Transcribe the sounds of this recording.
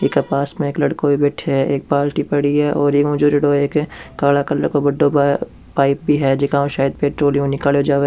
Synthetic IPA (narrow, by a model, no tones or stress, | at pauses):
eːkɐpaːsmẽeːklɐɽkobʱibɛːʈʰeɦɛeːk̚paːlʈipɐɽiɦɛʔɔːɾeːkʊ̃d͡ʒuɾɐɽoeːkkaːlakɐlə̰ɽkobɐɖːo | paːɪp̚bʱiɦɛd͡ʒɪkaːõʃaːjəd̪̚peːʈɾoːlijõnɪkaːleod͡ʒaːʋe